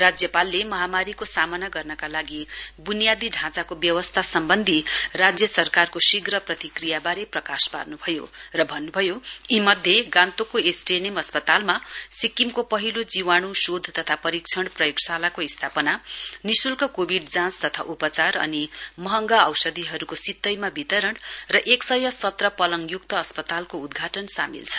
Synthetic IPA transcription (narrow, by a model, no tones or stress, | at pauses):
rad͡zjʌpalːemʌɦamaɾikosamʌnaɡʌrnʌkalaɡibunijad̪iɖʱãt͡sakobjʌwʌst̪ʰasʌmbʌnd̪ʱirad͡zjʌsʌrkarkosiɡrʌprʌt̪ikrijabaɾeprʌkaspa̰rnubʱʌjo̰rʌbʱʌnːubʱʌjoimʌd̪ʱjeɡãnt̪okoesʈenemʌspʌt̪almasikimkopʌɦilod͡ziwaɽ̃usod̪ʱt̪ʌt̪ʰapʌɾikt͡sʰʌɽ̃prʌjiksalakoist̪ʰapʌnanisulkʌkobʱiɖd͡zãst̪ʌt̪ʰa̰ʔupʌt͡sarʌ̰nimʌɦʌŋɡaʌwsʌd̪iɦʌɾukosit̪ːʌjmabit̪ʌɾʌɳrʌʔeksʌjʌsʌt̪rʌpʌlʌŋjuk̚t̪ʌːspʌt̪alkoud̪ɡʱaʈʌnsa̰mḭlt͡sʰʌ̥n